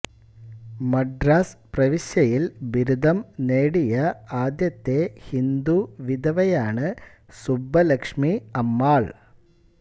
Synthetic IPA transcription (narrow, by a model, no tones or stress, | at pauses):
mɐɖɾaːsprɐʋiɕjɐjilʋiɾud̪ʱɐmneːɽijɐaːd̪jɐt̪ːehind̪uʋid̪ʱɐʋɐjaːɳɨ | subʱːɐlɐkʂmiɐmːaːɭ